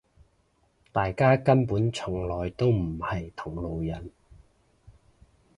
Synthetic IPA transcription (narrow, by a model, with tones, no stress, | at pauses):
t̪aː˨jkaː˥kɐ˥npuː˨˥nt͡sʰʊ˨˩ŋlɔː˨jt̪o˥wm̩˨˩hɐ˨jt̪ʰʊ˨˩ŋlo˨wjɐ˨˩n